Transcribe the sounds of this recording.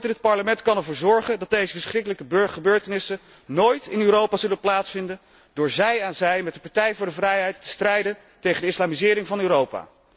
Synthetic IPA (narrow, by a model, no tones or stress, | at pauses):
tɪnət̚pɑɹləmɛntkɑnɛɹvʊːɹzɔɹχəndɑt̚dejzəvəsχrɪkələkəbχəbøːɹtənɪsə | noːjtɪnyːɾowpaːzɵlənplaːtsfɪndən | dʊːɹzɛjaːnzɛjmɛt̚dəpɑɹtɛjvʊːɹdəvrɛjɦɛjtːə̥strɛjdən | tejχəndəɪslaːmizɪːɾɪŋvɑnyːɾowpa̰ː